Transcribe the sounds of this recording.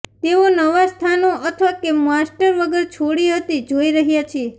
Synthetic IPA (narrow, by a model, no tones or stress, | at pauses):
t̪eonəʋast̪ʰanoʔət̪ʰʋakemasʈəɾʋəɡəɾt͡ʃʰoɽiɦət̪id͡ʒoiɾəɦjat͡ʃʰe